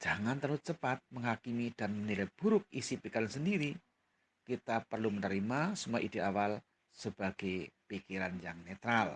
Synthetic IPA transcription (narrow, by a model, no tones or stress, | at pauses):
d͡ʒ̥aŋant̪ərlut͡ʃəpat̪̚məŋɦakimid̥anmənilajb̥uɾʊk̚isipikiɾansəndiɾi | kit̪apərlumənəɾimasumua̰ʔid̥iawal | səb̥aɡ̥ajpikiɾanjaŋnet̪ɾal